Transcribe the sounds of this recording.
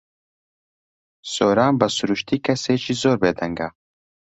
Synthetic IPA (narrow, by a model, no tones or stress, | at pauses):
soːɾaːmbɐsuɾuʃt̪iːkʰɐseːt͡ʃʰiːzoːɾbeːd̪ɐŋɡa